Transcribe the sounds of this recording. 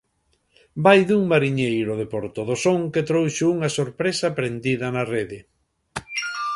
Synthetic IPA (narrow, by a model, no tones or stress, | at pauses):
bajðuŋmaɾiɲejɾʊðepoɾt̪oðosoŋket̪ɾowʃeuŋɐsoɾpɾesɐpɾend̪iðɐnareðɪ